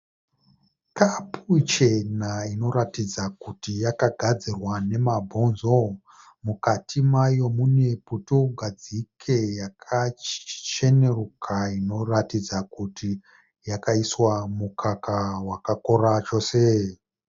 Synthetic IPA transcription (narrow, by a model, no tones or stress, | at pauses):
kapʰut͡ʃe̞naino̞ɾatid͡zakutijakaɡʱad͡zirwane̞mabʱo̞nzo̞ | mukatʰimajo̞mune̞putoɡʱad͡zikʰe̞jakʰat͡ʃe̞ne̞rukʰaino̞ratid͡zakuti | jakaiswamukʰakawakako̞rat͡ʃo̞ːse